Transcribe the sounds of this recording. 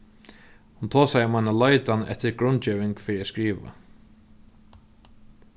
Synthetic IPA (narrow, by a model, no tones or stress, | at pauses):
hʊnt̪ʰoːsajmanalɔjt̪anɛ̰ht̪ɪɾɡɾʊnt͡ɕɛːʋɪŋkfɪːɾɪɾaskɾiːʋa̰